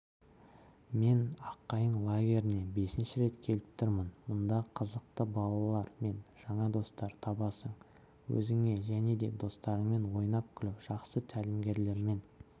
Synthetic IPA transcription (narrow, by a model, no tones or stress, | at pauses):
me̞nɑqːɑjəɴlˠaɡʲe̞ɾɪne̞be̞sɪnʃɪɾe̞t̪kʲʰe̞lɪp̚t̪ʰʊɾmənmʊnd̪ɑqʰəzəqt̪əbɑlˠɑlˠɑɾme̞nʒ̥ɑɴɑd̪o̞st̪ɑɾt̪ʰɑbɑsəɴ | wɵ̰zɪŋe̞ʒæne̞d̪e̞d̪o̞st̪ɑɾəɴme̞nwo̞jnɑp̚kʲʰɪlɪpʒ̥ɑqsət̪ʰælɪmɡʲe̞ɾle̞ɾme̞n